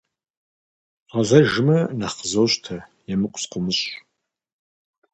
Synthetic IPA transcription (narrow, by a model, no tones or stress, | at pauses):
ʁɐɮɐʒɨmɐnaχəzowɕtʰɐjɛmɨkʷʼsqʷʊmɨɕʼ